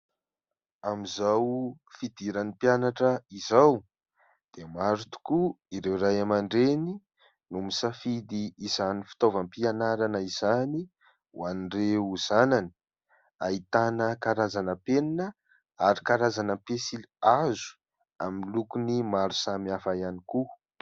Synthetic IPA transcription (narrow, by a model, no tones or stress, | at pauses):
amizaw | fid̪iɾanipjanaʈ͡ʂəizaw | d̪̥emaɾut̪u̥kuiɾewɾajamaɳɖ͡ʐeni | numisafid̪iːzanifi̥t̪ovəmpianaɾanəiz̥ani | w̰anireuz̥anani̥ | ait̪anəkaɾazanəpeninə | aɾikaɾazanəpesiliazu̥ | amilukunimaɾu̥samiafajaniku